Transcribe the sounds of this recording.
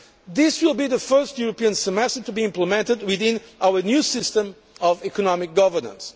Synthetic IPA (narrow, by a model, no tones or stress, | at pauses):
ðɪswɪlˠbiðəfɜ˞stjuɹəpiə̃nsəmɛstə˞tubiɪ̃mpləmɛ̃ntɨd̚wɪðɪ̃nʔawənjusɪstə̃m | ɔvikɔnɔmɪk̚ɡ̥ʌvə˞nə̰̃ns